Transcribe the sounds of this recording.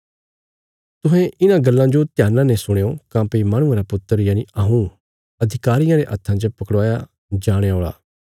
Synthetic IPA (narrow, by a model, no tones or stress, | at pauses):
t̪ʊ̃ɦɛ̃ʔɪnãɡɐlːãd͡ʒot̪jaːnãnesʊɽ̃eːokãːpeimɐɽ̃ʊ̃ãɾapʊt̪ːəɾjaːniɐɦũ | ɐd̪ʱɪkaːɾɪjãɾeʔɐt̪ʰːãːd͡ʒəpɐkɽaːja | d͡ʒaːɽ̃eoːɭa̰ː